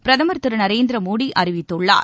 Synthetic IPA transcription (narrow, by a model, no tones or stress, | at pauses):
pɾɐðɐmɐɾt̪ːɯɾɯnɐɾeːnd̪ɪɾɐmuːɽiʔɐɾɪʋɪt̪ːɔɭːa̰ː